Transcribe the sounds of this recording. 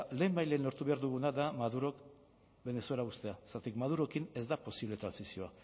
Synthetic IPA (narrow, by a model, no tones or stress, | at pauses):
le̞ːmbajle̞nlo̞ɾt̪uβe̞aɾðuɣ̞unad̪amaðuɾo̞k | be̞ne̞sue̞laust̪e̞asat̪ikmaðuɾo̞kine̞zd̪apo̞siβle̞t̪ɾansisio̞a